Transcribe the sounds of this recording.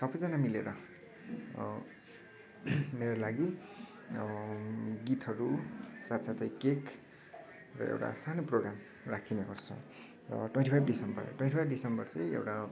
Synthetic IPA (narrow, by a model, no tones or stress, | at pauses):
sʌbʌjd͡zanamileɾʌ | meɾolaɡi | ɡit̪ʌɾusat̪sat̪ʰʌjkek | rʌ̰ḛwʈa̰sanoproɡɾam | rakʰineɦʌrt͡sʰʌ̰j | rʌ̰ʈwenʈipʰajbdisʌmbʌ̰r̰ʈwẽnʈipʰajbɖisʌmbʌrt͡sʌjḛwʈa